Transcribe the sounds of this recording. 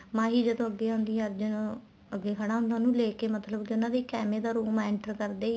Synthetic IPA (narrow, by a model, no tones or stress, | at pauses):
mãːɦiːd͡ʒəd̪õːəɡːeːaʊnd̪iːaɾd͡ʒɪõ | əɡːeːkʰəɽaːɦʊ̃nd̪ãːnũːleːkeːmət̪ləbkɪʊnãːd̪eːkɛːmeːd̪aːɾuːmɛːɳʈəɾkəɾd̪eː